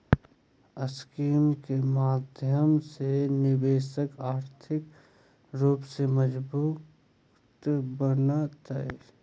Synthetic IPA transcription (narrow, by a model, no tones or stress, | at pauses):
əskiːmkemaːd̪ʱjəmsenɪʋeːʃəkaːɾt̪ʰɪk | ɾuːpseməd͡ʒbuː | t̪bənat̪əe